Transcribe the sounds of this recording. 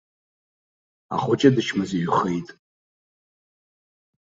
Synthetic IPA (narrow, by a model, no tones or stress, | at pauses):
a̰χʊt͡ʃʼadɨt͡ʃʰmaziɥχejtʼ